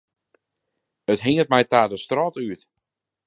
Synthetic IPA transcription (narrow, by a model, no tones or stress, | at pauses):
ətɦɪŋət̚mɛjtaːdəstrɔtyt